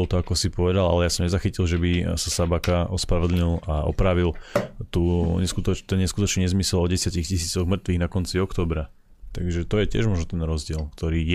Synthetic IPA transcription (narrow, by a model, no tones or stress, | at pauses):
lt̪ɔakɔsipɔʋɛd̪ala̰lɛjasɔmɲɛzaxicilʒɛbisasabakaʔɔspɾaʋɔd̪lɲilaɔ̰pɾaːʋilt̪uɲɛskut̪ɔt̪ɛnɲɛskut̪ɔt͡ʃɲɛɲɛzmisɛlɔɟɛsɪacixcisiːt͡sɔɣmr̩t̪ʋiːɣnakɔnt͡siɔkt̪ɔːbɾa | t̪aɡʒɛt̪ɔjɛcɪɛ̰ʒmɔʒnɔt̪ɛnɾɔzɟɪɛlkt̪ɔɾiːj